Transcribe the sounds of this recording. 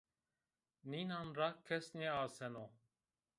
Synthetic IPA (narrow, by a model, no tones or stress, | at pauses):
niːnaːnɾakʰːesnẽaːsɛnõː